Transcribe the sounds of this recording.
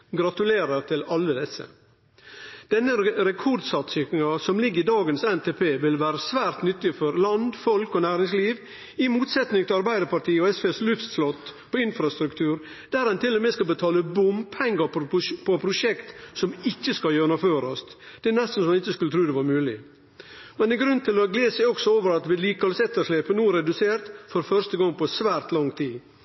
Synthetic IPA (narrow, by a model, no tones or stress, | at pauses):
ɡɾɑt̪ʉleːɾəɾt̪ʰɪlɑlːəd̪ɛsːə̰ | d̪̥ɛnːəɾɛkʰɔɾd̪sɑt̪sɪkɪŋɑsɔmlɪɡːəɾɪd̪ɑːɡənsɛnt̪ʰeːpʰeːʋɪlʋæːɾəsʋæːɾt̪nʏt̪ːɪfɔɾlɑnd̪fɔlkɔnæːɾɪŋsliːʋ | ɪmuːt̪sɛt̪nɪŋt̪ʰɪɑɾbæɪd̪əɾpɑʈʰiːɔɛspeːslʉft̪slɔt̪ːpʰɔɪnfɾɑst̪ɾʉkt̪ʰʉːɾ | d̪æːɾɛnt̪ʰɪlːɔmeːskɑlbət̪ʰɑːləbʊmpʰɛŋːɡɑɾpɔpʰɔpʰɾʊʂɛkt̪sɔmɪçːəskɑljøːɳɑføːɾɔst̪d̪̥ɛænɛst̪n̩sɔmɛnɪçːəskʉlət̪ʰɾʉːd̪ɛʋɑɾmʉːlɪ | mɛnɛɡɾʉnt̪ʰɪlɔɡleːsɛɪɔksɔoːʋəɾɑt̪ʋɪliːkɑlsɛt̪ːəʂɭeːpənuːɾɛd̪ʉseːɾt̪fɔɾfœʂt̪əɡɑŋːpʰɔsʋæːɾt̪lɑŋt̪ʰiː